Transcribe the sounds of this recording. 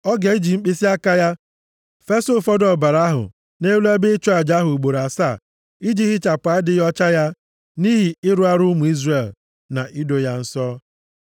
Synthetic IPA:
ɔ˦ɡe˨i˦d͡ʒi˨ŋ͡m̩˦k͡pi˦si˦a˦ka˦ja˦ | fe˦so˦fɔ˦dɔ˨ba˨ɾa˦ɦʊ̰˨ | ne˦u˦le˦be˦ɪ˦t͡ʃɔ˦a˨d͡ʒa˦ɦʊ˨u˨ɡ͡bo˨ɾa˨sa˦˨ | i˦d͡ʒi˦ɦɪ˦t͡ʃa˨pa˨˦a˦dɪ˦jɔ˦t͡ʃa˦ja˦ | niː˦ɦi˨ɪ˦ɾu˦a˦ɾʊ˦mu˨i˦zre˨l | na˨ʔi˦do˦ja˦n̩˦sɔː˦

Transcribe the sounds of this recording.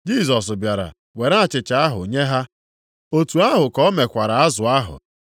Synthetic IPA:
d͡ʒi˦˨z̬ɔ˨s̬ʊ˨bja˨ɾa̰˨ | we˨ɾa˦a˨t͡ʃɪ˨t͡ʃa˨˦a˦ɦʊ̰˨ɲe˦ɦa˦ | o˦tu˨a˦ɦʊ˨kɔ˦me˨kʷa˨ɾa˨a˦zʊ˨a˦ɦʊ̰˨

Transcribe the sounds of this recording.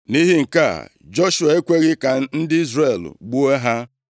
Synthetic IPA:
ni˦ɦi˦ŋ̩˨ka̰˦˨ | d͡ʒo˦ʃu˨a˨e˦kʷe˦ɣɪ˦ka˨n̩˦dɪ˦i˦zɾe˨l̰ɡ͡bu˦e˦ɦa˦

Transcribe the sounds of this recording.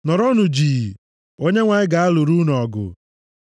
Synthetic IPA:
nɔ˨ɾɔ˦nʊ˨d͡ʒiː˨ | o˦ɲe˦ŋʷa˨ɲɪ˦ɡa˨a˦lʊ˨ɾu˦nɔɔ˨ɡʊ̰˨

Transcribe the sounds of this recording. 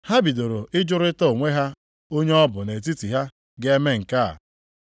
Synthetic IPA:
ha˦bi˨do˨ɾo˨ɪ˦d͡ʒʊ˦ɾɪ˦tɔ˦o˨ŋʷe˦ɦa˦ | o˦ɲe˦ɔ˦bʊ˨ne˨t̬i˦ti˨ɦa˦ | ɡɪ˦e˦me˦ŋ̩˨ka̰˦˨

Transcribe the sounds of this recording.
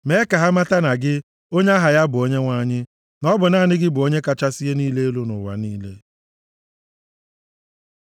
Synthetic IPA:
me˨˦ka˨ɦa˦ma˦ta˦na˨ɡɪ˦ | o˦ɲe˦a˦ɦa˨ja˦bʊ˨o˦ɲe˦ŋʷa˦ɲɪ˦ | nɔ˦bʊ˨naː˦˨nɪ˦ɡɪ˦bʊ˨o˦ɲe˦ka˨t͡ʃa˦sɪ˦e˦niː˦le˦e˦lu˦nʊ̰˨wa̰˨niː˦le˦

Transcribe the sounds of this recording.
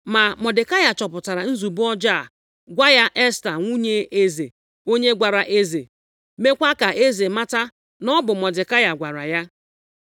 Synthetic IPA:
ma˨mɔ˨dɪ˨ka˦ja˨t͡ʃɔ˨pʊ˨ta˨ɾa˨n̩˦zu˨bʊ˦ɔ˦d͡ʒa˦˨ | ɡʷa˦ja˦ʔɛ˦sta˨ŋʷu˦ɲe˦e˦zḛ˨ | o˦ɲe˦ɡʷa˨ɾa˨ʔe˦zḛ˨ | me˦kʷa˦ka˨ʔe˦ze˨ma˦ta˦ | nɔ˦bʊ˨mɔ˨dɪ˨ka˦ja˨ɡʷa˨ɾa̰˨ja˦

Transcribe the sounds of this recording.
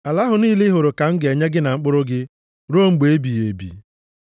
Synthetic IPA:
a˨la˦ɦʊ˨niː˦lɪ˦ɦʊ˨ɾʊ˨ka˨ŋ̩˦ɡe˨ɲe˦ɡɪ˦na˨ŋ͡m̩˦k͡pʊ˦ɾʊ˦ɡɪ˦ | ɾo˦ŋ͡m̩˦˨ɡ͡be˨˦bi˨je˨bḭ˨

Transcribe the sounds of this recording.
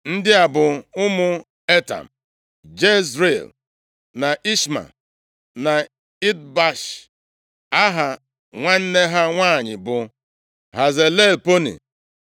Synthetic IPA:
n̩˦dɪ˦a˨bʊ˨ʊ˦mʊ˦ | e˦ta̰˨m̩˨ | d͡ʒe˦sɾe˦˨l | na˨ʔi˦ʃma̰˨ | na˨ | i˦d̚ba˦ʃ | a˦ɦa˦ | ŋʷa˦n̩˦ne˦ɦa˦ŋʷaː˦˨ɲɪ˨bʊ˨ | ha˨ze˨le˦˨lpo˦nḭ˨

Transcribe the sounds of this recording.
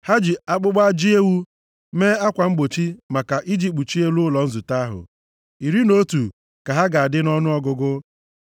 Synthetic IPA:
ha˦d͡ʒi˨a˦k͡pʊ˦ɡ͡ba˦d͡ʒi˦e˦wu˦ | meː˦a˦kʷa˨ŋ͡m̩˦ɡ͡bo˨t͡ʃi˦ma˨ka˨ʔi˦d͡ʒi˨k͡pu˨t͡ʃi˦e˦lu˦ʊ˦lɔ˨n̩˦zʊ˨ta˦a˦ɦʊ̰˨ | i˨ɾi˦no˦tu˨ | ka˨ɦa˦ɡa˨a˨dɪ˦nɔ˦nʊ˦ɔ˦ɡʊ˨ɡʊ˦

